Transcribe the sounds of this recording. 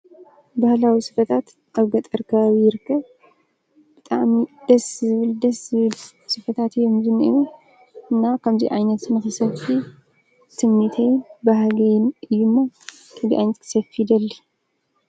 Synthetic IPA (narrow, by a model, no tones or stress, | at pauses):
bahlawisɨ̥fɐt̪ʰat̪ | aβɡɐt̪ʼɐɾkʰɐβaβijɪɾɨkʰːɐβ | b̥ɨt̪ʼa̰ʕmid̪̥ɐszɨβɨld̪ɐsɨl | sɨfɐt̪ʰat̪ɨjomzɨnʔḭju | ɨnːakʰɐmziʔajnɐt̪nɨxɨsɐfi | t̪ʰɨmːit̪ʰɐjbɐhaɡɐjnʔɨjːumːa | kʰʼɨziʔa̰jnɐt̪kʰɨ̥sɐfːid̪ɐlːi